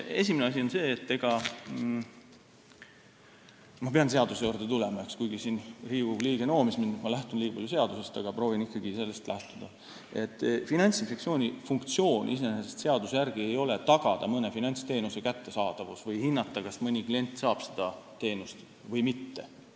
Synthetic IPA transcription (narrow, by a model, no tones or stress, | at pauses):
e̞̰sʲimeneɑsʲio̞nse̞ːt̪ːe̞ɡ̥ɑ | mɑpe̞ɑnse̞ɑd̪̥use̞joːrd̪et̪ulemɑe̞kskujɡ̥isiːnriːvub̥liːɡ̥e̞no̞ːmisminːut̪mɑlæht̪unliːɡɑb̥pɑljuse̞ɑd̪̥use̞st̪ɑɡ̥ɑproːvinikːɑɡise̞lːe̞st̪lʔæht̪ud̪̥ɑ | e̞t̪ːˑfinɑnʲt̪sinfe̞ksio̞ːnʲifuŋkt̪sio̞ːnʲʔḭse̞nesesest̪se̞ɑd̪usejærɡ̥ie̞jo̞le̞t̪ɑɡ̥ɑd̪̥ɑmɤne̞finɑnʲt̪st̪e̞ːnuse̞kæt̪ːe̞sɑːd̪̥ɑvusvɤjhinːɑt̪ˑːɑkɑsmɤnʲiklie̞nʲt̪ːˑsɑːb̥se̥d̪̥ɑt̪e̞ːnust̪ | vɤjmit̪ːe̞̰